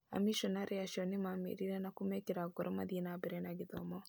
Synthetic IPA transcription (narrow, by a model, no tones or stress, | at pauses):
a̰miʃɔnaɾeaʃɔnemamḛɾiɾɛnakumɛkeɾaɡɔɾɔma̰ðienabeɾenaɡiðɔ̰mɔ